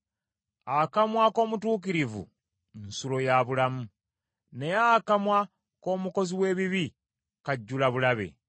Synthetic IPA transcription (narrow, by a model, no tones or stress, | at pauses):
akamwako̞ːmutuːk̬iɾivṵ | nsulo̞jaβulamu | ne̞jaːkamwa | ko̞ːmuko̞ziwe̞ːβiβi | kaɟːulaβulaβe̞̰